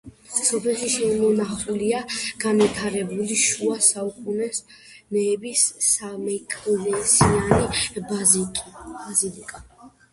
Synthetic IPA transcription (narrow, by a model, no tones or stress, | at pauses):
sɔpʰɛlˠʃiʃɛmɔnaχuliaɡ̥anvit̪ʰaɾɛbuliʃuasaukʼunɛs | nɛːbisamɛkʼɔlɛnt̪siani | bazilikʼa